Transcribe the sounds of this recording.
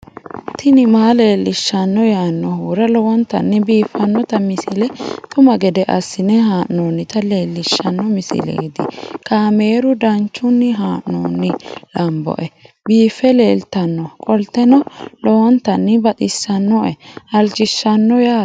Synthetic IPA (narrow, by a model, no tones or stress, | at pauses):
t̪ʰɪnɪmaːle̞ːlːɪʃːɐnːɔjaːnːɔhuːɾɐlɔwɔnt̪ɐ̰nːɪbiːfːɐnːɔt̪ɐmɪsɪlɛt̪ʼʊmɐɡɛd̪ɛʔɐsːɪnɛɦaːʔnoːnːɪt̪ɐleːlːɪʃːɐnːɔmɪsɪ̰lḛːd̪ɪkaːme̞ːɾʊd̪ɐnt͡ʃːʊnːɪɦaːʔno̰ːnːɪlɐmbɔ̰ʔɛ | biːfːɛle̞ːlt̪ɐnːɔkʼɔlt̪ːɛnɔlɔwɔnt̪ɐnːɪbɐt̪ʼɪsːɐnːɔʔɛɐlt͡ʃɪʃːɐnːɔjaː